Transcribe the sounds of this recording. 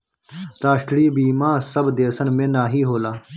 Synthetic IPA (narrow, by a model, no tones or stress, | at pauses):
t̪aːɕʈɽiːbiːmãːsɐbd̪eːsɐnmẽːnaːɦiːɦoːlaː